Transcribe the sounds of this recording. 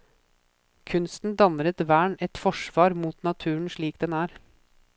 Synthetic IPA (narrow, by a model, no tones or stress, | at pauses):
kʰʉnst̪n̩d̪ɑnɾət̪ʋæːɳɛt̪fɔʂʋɑːɾmuːt̪nɑt̪ʰʉːəɳʂɭiːkd̪ɛnæːɾ